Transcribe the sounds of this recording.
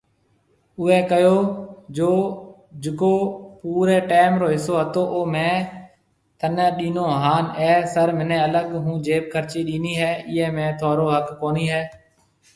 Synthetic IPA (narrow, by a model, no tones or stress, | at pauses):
ʊʋeːkəjoːd͡ʒoː | d͡ʒɪkoːpuːɾeːʈeːmɾoːɦɪsoːɦət̪oːʔoːmẽː | t̪əneːɗiːnoːɦaːnɛːsəɾmɪnẽːələɠɦũːd͡ʒeːp̚kʰəɾt͡ʃiːɗiːniːɦɛːɪːɛ̃ːmẽːt̪ʰaːɾoːɦəkkoːniːɦɛː